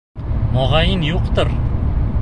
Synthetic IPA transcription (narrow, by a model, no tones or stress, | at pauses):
mɒʁɑjɪnjoqt̪ɨɾ